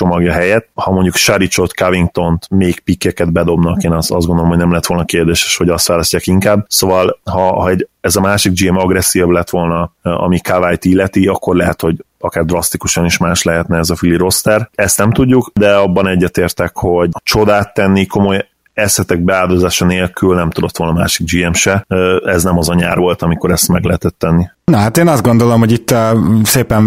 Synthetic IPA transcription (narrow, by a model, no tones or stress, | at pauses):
t͡ʃo̞mɒɡjɒɦɛjɛt̪hɒmo̞ɲɟukʃaɾit͡ʃo̞t̪kaviŋk̚t̪o̞nt̪meːkpikːɛkɛd̪bɛd̪o̞bnɒkeːnɒsɒ̰zɡo̞nd̪olomhoɟnɛmlɛɦɛt̪o̞lnɒkeːrd̪eːʃe̥ʃho̞ɟɒst̪ʋaːlɒscːaːkiŋkaːbsoːvɒlhɒhɒɛɟɛzɒmaːʃiɡ̚d͡ʒimɒɡɾɛsːiːjɒblɛt̪ʋo̞lnɒɒ̰mikavajt̪ilːɛt̪iɒkːo̞rlɛɦɛt̪ho̞ɟɒkaːrd̪rɒst̪ikuʃɒniʃmaːʃlɛɦɛt̪nɛːzɒfiliɾo̞st̪ɛrɛst̪nɛmt̪uɟːukd̪ɛɒbːɒnɛɟːɛt̪eːrt̪ɛkho̞ɟt͡ʃo̞d̪aːt̪ːɛnːiko̞mo̞j | ɛsɛt̪ɛɡ̚bɛaːld̪ozaːʃɒneːlkʰylnɛmt̪ud̪o̞t̪ːo̞lnɒmaːʃiɡ̚d͡ʒiɛmʃɛøɛznɛmɒzɒɲa̰ːrʋo̞lt̪ɒmiko̞ɾɛst̪mɛɡlɛɦɛt̪ɛt̪ːɛnːi | nɒɦat̪eːnɒzɡond̪olomhoɟit̪ːseːpɛn